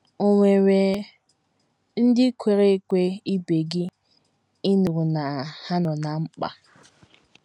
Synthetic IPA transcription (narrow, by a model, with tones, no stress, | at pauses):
o˨ŋʷe˨we˨ | n̩˦dɪ˦kʰʷe˦ɾe˦kʷe˦i˦be˨ɡi˦ | ɪ˦nu˨ɣu˨na˨ha˦nɔ˨na˨ŋ͡m̩˦k͡pa̰˨